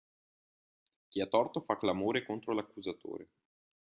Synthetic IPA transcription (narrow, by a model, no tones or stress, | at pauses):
k̟iat̪ːɔrt̪ofakːlamoːɾekont̪ɾolakːuzat̪o̰ːɾe